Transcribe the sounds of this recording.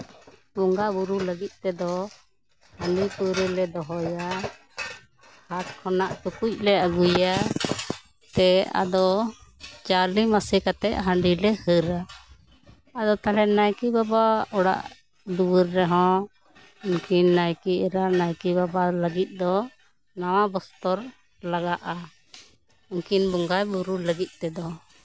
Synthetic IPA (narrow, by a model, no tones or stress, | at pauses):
uŋɡaʔbuɾuləɡit̪̚ˀt̪ɛd̪ɔ | həɳɖipuɾɛlɛd̪ɔɦɔja | hat̪̚kʰɔnaʔt͡ʃukuc̚lɛəɡuja | t̪ɛa̰d̪ɔ | t͡ʃalimasikat̪ɛʔɦəɳɖilɛhəɾa | d̪ɔt̪alɛnajkibabaɔɽa̰ʔ | d̪uwəɾːɛɦɔ̃ | ənkinːajkiɛɾanajkibabaləɡit̪̚ˀd̪ɔ | nawãbɔst̪ɔɾ | laɡaʔa | uŋkinbɔŋɡajbuɾuləɡit̪̚t̪ɛd̪ɔ